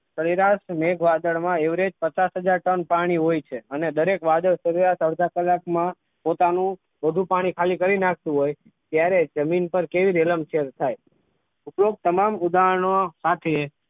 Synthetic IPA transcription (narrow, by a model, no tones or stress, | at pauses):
səɾiɾaʃmeɡʰʱʋad̪əɭmãeʋɾed͡ʒpət͡ʃasɦəd͡ʒaɾʈənpaɽ̃iɦojt͡ʃʰeəned̪əɾekʋad̪əɭsəɾiɾaʃəɽd̪ʱakəlːakmã | pot̪anũ | ʋəd̪ʱũpaɽ̃ikʰalikəɾinak̚ʰt̪ũɦoj | t̪jaɾed͡ʒəminpəɾkeʋiɾeləmt͡ʃʰeɾt̪ʰaj | uploɡ̚t̪əmamud̪aɳ̃osat̪ʰe